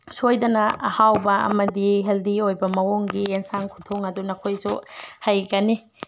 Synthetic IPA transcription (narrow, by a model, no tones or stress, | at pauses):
sojdɐnɐhawbɐɐ̰mɐdiɦeldiojbɐmɐwoŋɡieŋsaŋkʰutʰoŋɐdunɐkʰojsuhajɡɐni